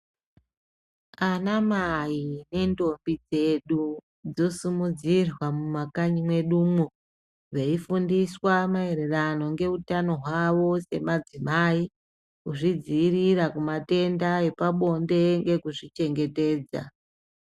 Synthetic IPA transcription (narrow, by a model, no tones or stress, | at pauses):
anamaine̞ndo̞mbid͡ze̞ɗu | d͡zo̞sumud͡zirwamumakaɲimwe̞ɗuːmo | ʐeifundiswamae̞ɾe̞rano̞ŋɡe̞utano̞ɦwaʋo̞se̞mad͡zimaːi | kuʐid͡ziːrirakumate̞ndae̞paɓo̞nde̞ŋɡe̞kuʐit͡ʃe̞ŋɡe̞te̞ːd͡za̰